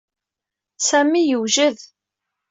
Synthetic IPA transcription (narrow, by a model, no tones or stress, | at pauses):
sæmijəwʒəð